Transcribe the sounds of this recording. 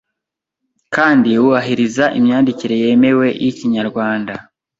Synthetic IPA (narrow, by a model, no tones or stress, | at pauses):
kaːndiwuβaɦiɾizaʔimɲaːndiciɾe̞je̞ːme̞we̞jiciɲaɾɡwaːnda